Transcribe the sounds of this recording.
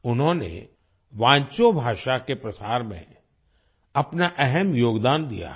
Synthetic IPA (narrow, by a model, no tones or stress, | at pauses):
ʊnɦõnḛ | ʋãːɲt͡ʃobʱaːʃakepɾɐsaːɾmḛ̃ | ɐpnaʔɛɦɛmjoːɡd̪aːnd̪ḭja̰